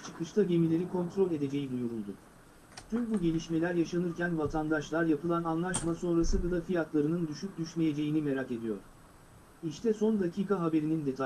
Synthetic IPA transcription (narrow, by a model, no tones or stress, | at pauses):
t͡ʃʰɯ̥kʰɯʃt̪ʰaɟe̞milʲe̞ɾikʰo̞nt̪ʰɾo̞lʲe̞d̪e̞d͡ʒe̞jid̪ujuɾulˠd̪ʊ | t̪ʰymbuɟe̞lʲiʃme̞lʲæɾjaʃanɯɾcænvat̪ʰand̪aʃlˠaɾjapɯlˠananlˠaʃmaso̞nɾasɯdɯd̪afijat̪ʰlˠaɾɯnɯnd̪yʃyp̚d̪yʃlʲe̞je̞d͡ʒe̞jinime̞ɾake̞d̪ijo̞̰ɾ̥ | iʃt̪ʰɛso̞nd̪acʰiːkʰaɦabe̞ɾinind̪e̞t̪ʰ